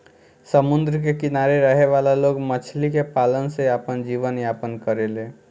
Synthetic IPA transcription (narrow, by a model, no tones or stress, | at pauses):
səmund̪ɾkekinaɾeɾəɦeʋalaloɡmət͡ʃʰlikepalənseəpənd͡ʒiʋənjapənkəɾele